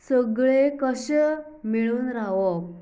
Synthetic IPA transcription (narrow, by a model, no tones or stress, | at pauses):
səɡɭekəɕəmiɭuːnɾaʋɔk̚